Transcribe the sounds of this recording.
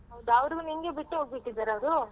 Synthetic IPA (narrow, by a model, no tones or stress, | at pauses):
ɦɐwd̪ɐʋɐɾiɡuniŋɡebiʈːuɦoːɡbiʈːid̪ːaɾɐʋd̪u